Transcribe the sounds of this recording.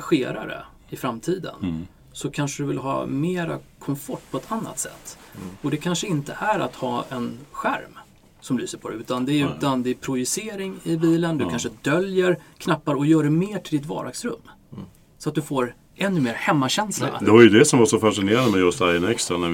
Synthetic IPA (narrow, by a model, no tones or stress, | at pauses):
ɧeːɾa̰ɾə̰ | ɪfɾamt̪ʰiːd̪ə̰n | sɔkʰanʂəd̪ɵvɪlɦɑ̰ːmeːɾa̰kʰɔmfɔʈːpʰɔɛt̪ʰanːa̰t̪sɛ̰t̪ːɔd̪ɛkʰanʂəɪnt̪əʔæɾa̰t̪hɑːɛnɧæ̰ɾm | sɔmlyːsəɾpʰɔd̪ɛʉ̟ːt̪and̪ɛʉ̟ːt̪and̪ɛːɾpʰɾʊjʏseːɾɪŋɪbiːlənd̪ɵk̪kanʂəd̪œljəɾkʰnapːaɾɔjœːɖɛmeːʈʰɪld̪ɪt̪vɑ̰ːɖaɡsɾɵ̰mː | sɔat̪̚d̪ɵfoːɾ | ʔɛnːɵmeːɾhɛmːaɕɛnsla̰d̪ɛvaɾjɵd̪ɛsɔmvasɔfaʂɪneːɾand̪əmɛjɵst̪ajənɛkst̪ɾanæ